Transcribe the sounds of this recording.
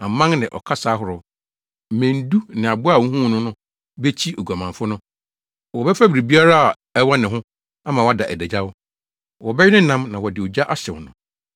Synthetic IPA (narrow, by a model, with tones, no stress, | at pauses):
a˨˦mã˦ŋnɪ̃˨ʔɔ̰˨kʰa˦saː˨˦ɦʊ˨ɾʊ˨ | mæ̃˨n˦du˦nɪ̃˨a˨bʊ˦ã˦˨˦hũ˦˨nʊ̃˦nʊ̃˦ | be˦t͡ɕʰi˦o˨ɡa˨mã˨ɱfʊ˦nʊ̃˦ | wɔ˨bɛ˦fa˦bɾi˨bi˦a˦ɾa˦a˨ | ɛ˦wa˦nɪ̃˨ɦʊ̃˦ | a˦mã˨wɔ˨a˦da˨ʔæ̰˨dæ˨d͡ʑa˦wʊ˦ | wɔ˨bɛ˦ɥɪ˦nɪ̃˦nã˦mnã˨wɔ˨dɪ˨ɔ˨d͡ʑa˦ʔa˦ɕɛ˨wnʊ̰̃˨